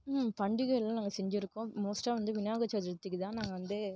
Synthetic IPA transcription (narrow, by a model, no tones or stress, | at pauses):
mpɐɳɖɪɣɐɭlːãːnaːŋɡɐsɛɲd͡ʒɪɾɯkːõmoːsʈaːʋɐnd̪ɯʋɪnjaːɣɐt͡ʃːaːd͡ʒɪɽɯt̪ːɯkːɯt̪ãːnaːŋɡɐʋɐnd̪ɯ